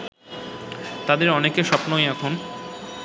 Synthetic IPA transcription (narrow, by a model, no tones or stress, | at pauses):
t̪ad̪eɾɔnekeʃɔpnojɛkʰon